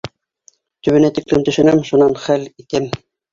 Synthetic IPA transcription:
t̪ɵ̆βɘ̆næt̪iklɘmt̪ɵ̆ʃɘ̆nɘmʃunɑnχælit̪ɘm

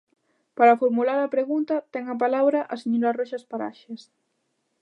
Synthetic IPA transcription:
paɾafoɾmulaɾɐpɾeɣunt̪ɐt̪ɛŋɐpalaβɾaʔasiɲuɾarɔʃaspaɾa̰ʃes

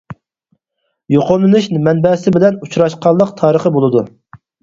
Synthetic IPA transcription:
joqomˠɨnuʃnmɛnbɛsɪbɪlɛnut͡ʃɾɑʃqʰɑlˠːəq̚t̪ʰɑːɾəχəbolˠɨd̪u

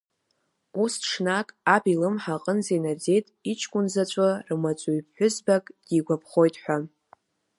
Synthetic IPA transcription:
ustʂnakʼabilɨmħaqʼənzenard͡ze̞jtʼit͡ʃʰkʷʼʊnzat͡ʃʷʼarmat͡sʷʼuɥp̚ʰħʷᶣʊzbakʼɡ̥ʲiɡʷapʰχo̞jtʼħʷᶣa

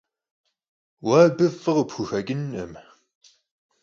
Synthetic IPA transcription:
waːbəvəʁbxuxæɡənːə̰m

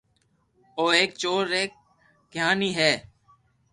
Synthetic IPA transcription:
oːeːk̚t͡ʃoːɾeːk̚ | ɡʱjaːniːɦɛː

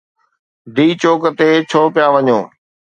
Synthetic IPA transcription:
d̪iːt͡ɕoːkət̪eːt͡ɕʰoːpɪjaːʋəɲõː

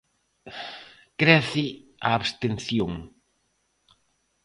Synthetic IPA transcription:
kɾɛθɪa̰ːβst̪ẽnθjoŋ

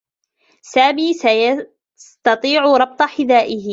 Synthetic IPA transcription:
saːmiːaj | st̪ɑt̪ˤiːʕʊɾˤɑb̚t̪ˤɑħɪd̪aːʔɪhɪ

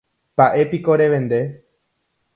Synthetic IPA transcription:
paʔe̞piko̞ɾe̞ʋẽ̞nd̪e̞

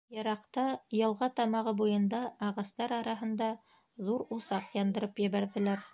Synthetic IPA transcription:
jɤ̆ɾɑqt̪ɑjɤ̆lˠʁɑt̪ɑmɑʁɤbujɤ̆nd̪ɑːʁɑst̪ɑɾɑɾɑɦɤ̆nd̪ɑ | ðuɾusɑqjɑnd̪ɤ̆ɾɤpjɘ̆βæɾðɘ̆læɾ

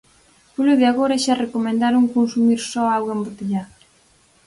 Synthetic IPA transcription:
poloðeaɣoɾaʃarekomẽnd̪aɾuŋkonsumiɾsɔawɣembot̪eʎa

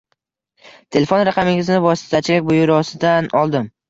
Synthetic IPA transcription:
t̪ʰe̞lefo̞nɾaqʰɑmɪŋʲɪznɪvɒsɪ̥t̪ʰat͡ʃʰɪlʲak̚ʲbʊjʊɾɒsɪd̪anɒlˠd̪ɪm

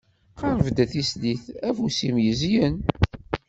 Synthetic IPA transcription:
qɑɾˤəvd̪æθisliθæfusimjəzjən

